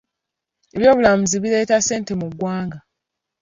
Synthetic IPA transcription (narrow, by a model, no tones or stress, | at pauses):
eβjo̞ːβulamuziβile̞ːtase̞ːnte̞muɡwaːŋɡa